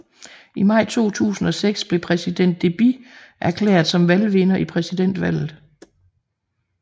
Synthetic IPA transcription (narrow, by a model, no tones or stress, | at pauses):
imɑ̈ɪ̰t͡sʰo̝̰ːt͡sʰṵːsn̩ɒ̽seɡ̥sb̥le̝pʰʁɛsid̥en̰d̥ːe̝b̥iʔæɐkʰlḛːɐðˠsɒ̽mʋælʋe̝nɐʔipʰʁɛsid̥en̰d̥ʋæl̰ð̩ˠ